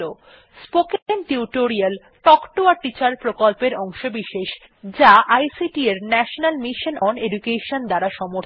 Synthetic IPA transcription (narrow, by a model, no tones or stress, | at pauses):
o | spokenʈiuʈoɾial | ʈɔkʈoaɾʈit͡ɕaɾpɾokolpeɾɔŋʃobiʃeʃ | d͡ʑaʔajsiʈieɾnɛʃonalmiʃonɔɳɖeɖukeʃond̪aɾaʃɔmoɾ